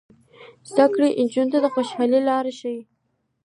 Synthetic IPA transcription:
z̥d̪akɽeʔɪnd͡ʒunt̪ad̪əxoʃhɑlilɑɾeʃawi

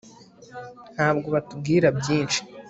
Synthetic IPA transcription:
n̥haːbɡo̞βatub̚ɡiːɾabɟiːnt͡ʃi̥

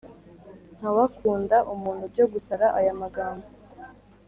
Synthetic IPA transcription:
n̥hawakuːndaʔumuːn̥hubɟo̞ɡusaɾaʔajamaɡaːmba

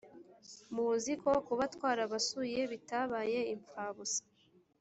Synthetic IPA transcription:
muzikokuβatwaːɾaβasuje̞βitaβaːje̞iɱp͡faβusḁ

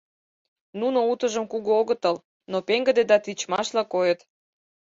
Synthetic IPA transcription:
nunout̪əʒəmkuɣooɣət̪əl | nopeŋɡə̆d̪ed̪ɑt̪it͡ɕmɑʃlɑkojət̪

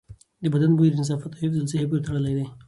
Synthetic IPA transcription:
d̪əbad̪anbuiɾɪns̬ɑfat̪ɑɪfzalseɦep̬uɾt̪aɽəlajd̪aj

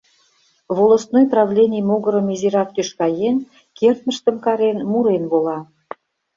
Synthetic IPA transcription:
βolˠŏst̪nojprɑvlʲenʲijmoɣə̆ɾə̆miziɾɑk̚t̪yʃkɑjen | kert̪̚mə̆ʃt̪ə̆mkɑɾenmuɾenβolɑ

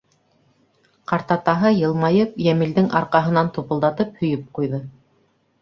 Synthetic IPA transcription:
qɑɾt̪ɑt̪ɑɦɤjɤ̆lˠmɑjɤpjæmɘ̆ld̪ɘŋʔɑɾqɑɦɤ̆nɑnt̪upɤ̆lˠd̪ɑt̪ɤp̚hɵ̆jɵp̚qujðɤ

